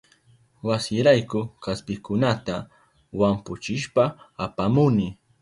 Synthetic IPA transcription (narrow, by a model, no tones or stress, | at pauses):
wasɪɾajkʊkaspɪkʊnat̪a | wampʊt͡ʃɪʃpaːpamʊnɪ